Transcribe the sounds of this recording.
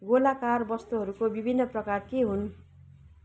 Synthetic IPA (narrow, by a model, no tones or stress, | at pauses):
ɡolakarbʌst̪uɦʌɾukobibʱinːʌprʌkarkeɦun